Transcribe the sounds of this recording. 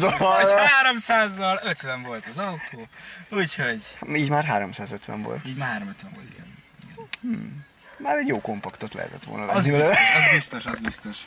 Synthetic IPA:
zoaːɾomsaːzːɒløt̪ʋɛɱvo̞lt̪ɒzɒwt̪ʰoːuːchoɟiːɟmaːrɦaːɾo̞msaːzøt̪ʋɛ̰ɱvo̞̰lt̪iːmaːɦaːɾomøt̪ʋɛɱvolt̪iɡɛ̰n | iɡɛn̩ | maːɾɛɟjoːko̞mpɒkt̪o̞t̪lɛ̰ɦɛ̰t̪ɛt̪ʋo̰ːlnɒvɛnivɛløzbist̪oʃɒzbist̪oʃ

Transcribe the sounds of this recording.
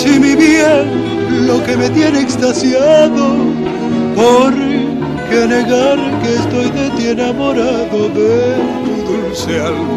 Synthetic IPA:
simiβia | lo̞ke̞me̞t̪jeneekst̪asjaðo̞ | poɾ | ke̞ne̞ɣaɾke̞ːst̪o̞jðe̞t̪enamo̞ɾaðo̞beɾt̪uðulse̞alɣ

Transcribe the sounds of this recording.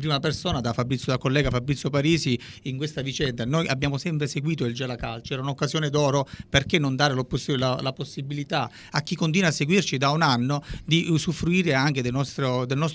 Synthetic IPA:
pɾiːmapersoːnad̪afabɾit̪sjod̪akolːɛːɡafabːɾit̪sːjopaɾiːsiiŋkwest̪avit͡ʃɛnd̪anojʔabːjaːmosɛmpɾeseɡwiːt̪oild͡ʒɛlakalt͡ʃɛːɾaunokːazjɔːned̪ɔːɾoperkenːond̪aːɾelopsilalaposːibilit̪a | ak̟ːikːont̪iːnwasːeɡwirt͡ʃid̪aunanːod̪isufːɾuiːɾeaŋk̟ed̪elnɔst̪ɾod̪elnɔst̪

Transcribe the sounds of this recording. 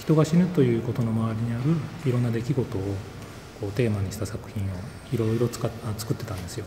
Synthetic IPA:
çi̥t̪o̞ɡaɕinɯ̟t̪o̞jɯ̟ːko̞t̪o̞no̞maβaɾʲiɲ̟iaɾɯ̟iɾo̞nːad̪e̞kʲiɡo̞t̪o̞ː | ko̞ːt̪e̞ːmaɲ̟iɕi̥t̪asakɯ̟̥çʲĩɰ̃o̞ | iɾo̞iɾo̞t͡saant͡sɨ̥kɯ̟t̪ːe̞t̪ãnd̪e̞sɨjo̞

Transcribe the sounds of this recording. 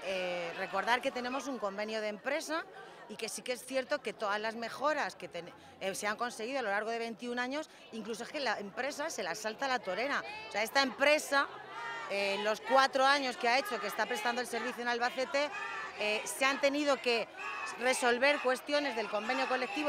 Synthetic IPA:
ere̞ko̞ɾðaɾke̞t̪e̞ne̞mo̞s̬uŋko̞mbe̞njoð̞empɾe̞saike̞sikeesθje̞ɾt̪o̞ke̞t̪o̞ðazlazme̞xo̞ɾaske̞t̪en | seaŋko̞nse̞ɣ̞iðoalo̞laɾɣ̞o̞ð̞e̞β̞e̞nt̪iunãɲo̞s | iŋklus̬o̞eskelaempɾe̞sase̞lasalt̪alat̪o̞ɾe̞ɾaoseae̞st̪aempɾe̞sa | elo̞skwat̪ɾo̞aɲo̞skeae̞t͡ʃo̞kest̪apɾe̞st̪and̪oe̞lse̞ɾβiθjonalβaθe̞t̪e̞eseant̪e̞niðo̞ke̞re̞so̞lβe̞ɾkwe̞st̪jo̞ne̞zðelko̞mbe̞njoko̞le̞k̚t̪iβo

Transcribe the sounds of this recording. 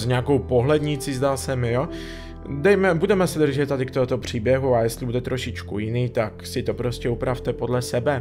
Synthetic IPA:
zɲɛako̞wpo̞ɦlɛdɲɪt͡sizd̪aːsɛmɪjo | dɛjmɛbudɛmɛsɛd̪r̩ʒɛt̪t̪ːadɪkt̪oot̪o̞pr̝̥iːbjɛɦuajɛstlɪbudɛt̪ɾʔo̞ʃɪt͡ʃkṵjɪniːt̪aksɪt̪o̞pɾo̞scɛupɾaft̪ɛpo̞dlɛsɛbɛ

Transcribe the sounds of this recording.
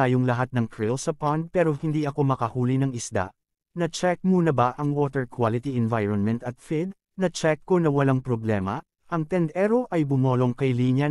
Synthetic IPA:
aːjoŋlɐɦat̪̚nɐŋk̪ɹɪlsɐpand̪̚pɛːɾo̞hɪnd̪iʔɐko̞mɐkɐhuːlinɐŋɪsd̪a̰ʔ | nɐt͡ʃɛk̚muːnɐbɐʔɐŋwoːt̪ɛɹkwalɪt̪iɛnvajɹonmɛnt̪ɐt̪̚fid̪̚ | nɐt͡ʃɛkːo̞nɐwɐlaŋpɾoblɛːmɐ | ʔɐŋt̪ɛnd̪ɛɾo̞ʔɐjbʊmo̞ːlo̞ŋkɐjliːnjɐ

